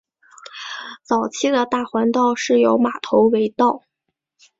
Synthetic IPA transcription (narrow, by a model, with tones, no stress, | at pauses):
t͡sɑ˨˩ʊt͡ɕʰi˥d̪ə˨t̪a˥˩xwa˧˥nt̪ɑ˥˧ʊʂɻ̩˥˩jo˧˥ʊma˨˩t̪ʰo˧˥ʊwe˧˥ɪt̪ɑ˥˩ʊ